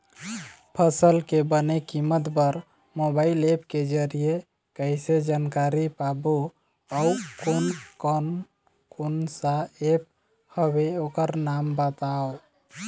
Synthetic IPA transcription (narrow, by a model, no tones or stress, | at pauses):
pʰəsəlkebənekimət̪bəɾ | mobailepked͡ʒəɾije | kəjsed͡ʒankaɾipabo | əukonkən | konsaep̚ | həbeokəɾnambət̪ao